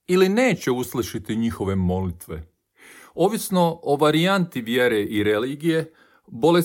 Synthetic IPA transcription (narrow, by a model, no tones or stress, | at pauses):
iline̞ːt͡ɕe̞uslˠiʃit̪iɲixo̞ʋe̞mo̞lit̪ʋe̞ | o̞ʋisno̞oʋaɾiant̪iʋjeɾeʔiɾeliːɡije̞ | bo̞le